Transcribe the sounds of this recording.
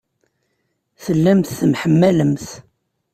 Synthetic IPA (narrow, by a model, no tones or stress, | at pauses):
θəlːæmθθmħəmːæləmθ